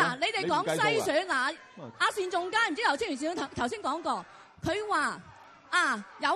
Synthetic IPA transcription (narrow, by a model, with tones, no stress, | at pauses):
laː˨˩ne˨˧jt̪e˨jkɔː˨˥ŋsɐ˥jsœː˨˥nlaː˨ | aː˨˧siː˨nt͡sʊ˨˧ŋkaː˥nm̩˨˩t͡si˥jɐ˧wʰt͡sʰŋy˨˩siː˧˨˩o˧t̪ʰɐ˨˩t̪ʰɐ˨˩wsiː˥nkɔː˨˥ŋkɔː˧ | kʰɵ˨˧ɥwaː˨ | aː˧˨˩jɐ˨˧